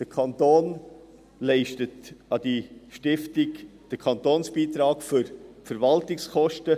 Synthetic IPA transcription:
d̥əkʰɑnt̪oːn | lɛɪʃtətɑd̥iʃtɪftɪɡd̥əkʰɑntoːnsb̥iːt̪ɾɑːkfʏɾfəɾvɑltɪkskɔʃtə

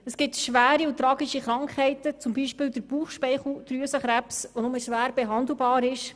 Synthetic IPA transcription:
əsɡ̥ɪtʃʋæːɾiʊt̪ɾɑːɡiʃiχɾɑŋkhɛɪtət͡sʊmbiːʃpɪːld̪əɾb̥uːχʃpɛɪχl̩d̥̪ɾyəsəχɾæpsʋonʊməʃʋæːɾbɛɦɑnd̪l̩ˠbɑːɾɪʃ

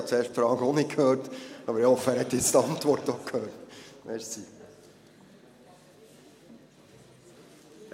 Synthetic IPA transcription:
ɑtt͡seːɾʂtfɾɑːɡəonɪkʰhøːɾtɑːbəɾɪhɔfəæːɾhɛt̪ːjɛt͡st̪ɑntʋɔɾtokʰhøːrtmʔɛɾsi

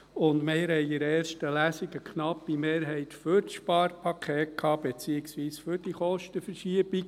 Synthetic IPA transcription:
ʊndmeːɾhɛjɪɾɛːɾʃtəlæsiɡəkχnɑpːimeːɾɦɛɪt̪fʏɾtʃpɑːɾpʰɑkʰeːt̚kʰɑːb̥et͡siɪksʋiːsfʏɾd̥iχɔʃtəfəɾʃiəb̥ik

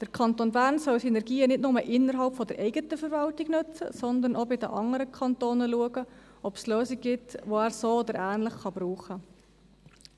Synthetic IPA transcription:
d̪̥əɾkʰɑnt̪oːnbæːɾnsœlsinɛɾɡiːənɪdnʊməʔɪnːəɾɦɑlpfɔd̪əɾʔɛɪɡətəfəɾvɑltɪɡnʉt͡sə̰sɔnd̪ənʔɔbɪd̪ə̰ʔɑŋəɾəkʰχɑnt̪oːnəluəɡə | ɔpsløːsiɡ̚ɡɪtʋoæːɾsoːod̪əɾʔæːnləχχɑb̥ɾuːχə

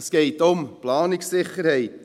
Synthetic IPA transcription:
sɡ̥ɛɪtʊmplɑːnɪksːɪχəɾhɛɪt

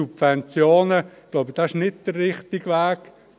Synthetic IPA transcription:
ubvɛnt͡sjoːnəɡ̥loʊbəd̥aɪʃnɪt̚d̥ərːɪχtɪɡʋæːɡ

